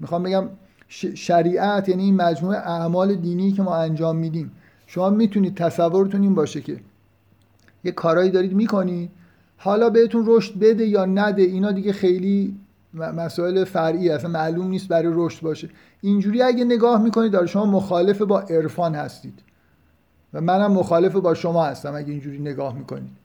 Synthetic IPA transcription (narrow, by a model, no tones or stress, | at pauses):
mixɑːmbe̞ɟæm | ʃeʃæɾiːʔæt̪ʰjæniːnmæd͡ʒmuːeʔæʔmɒːle̞d̪iːniːjcʰe̞mɒːænd͡ʒɒːmːiːd̪iːm | ʃo̞mɒːmiːt̪ʰuniːd̪̚t̪ʰæsævːoɾet̪uniːnbɒːʃecʰe̞̰ | jekʰːɒːɾɒːjiːd̪ɒːɾiːd̪miːkʰo̞niːd̪̥̚ | hɒːlɒːbe̞het̪unroʃt̪̚be̞d̪e̞jɒːnæd̪e̞inɒːd̪iːɡɟexe̞jliː | mæsɒːe̞lefæɾʔiːeæsænmæʔluːmniːst̪̚bæɾɔjɾoʃt̪̚bɒːʃe | ind͡ʒuːɾiːæɟene̞ɡɒːhmiːko̞nid̪bæɾʃo̞mɒːmoxɒːle̞fe̞bɒːʔe̞ɾfɒːnhæ̰st̪iːd̪̥ | væmænæmːoxɒːle̞febɒːʃo̞mɒːhæst̪æmæɟeind͡ʒuːɾiːne̞ɡɒːhmiːkʰo̞̰nḭːd̪̥